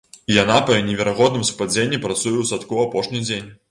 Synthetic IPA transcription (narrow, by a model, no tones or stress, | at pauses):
ijanapɐnʲɛvʲɛɾaɣɔd̪nɨmspad͡zʲenʲːipɾat̪sujɛwsat̪kuapɔʂnʲid͡zʲenʲ